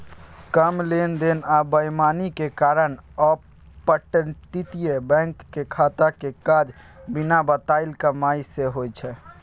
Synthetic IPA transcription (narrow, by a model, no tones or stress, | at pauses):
kəmlend̪enabəjmanikekaɾənɔ | pəʈəʈit̪ijebɛ̃ŋkːekʰat̪akekad͡ʒ | binabət̪aɪlkəmaiseɦojt͡ʃʰɛ